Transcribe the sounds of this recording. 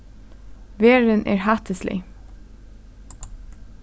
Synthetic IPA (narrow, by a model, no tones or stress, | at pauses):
ʋeːɹənʔæ̰ːɹhæt̪ʰəslɪ̰